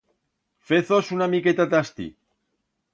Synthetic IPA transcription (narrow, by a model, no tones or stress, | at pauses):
feθosunamiket̪at̪ast̪ḭ